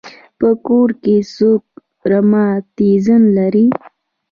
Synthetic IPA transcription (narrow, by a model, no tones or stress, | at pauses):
pəkoɾkesok̚ | ɾamɑt̪izənlaɾi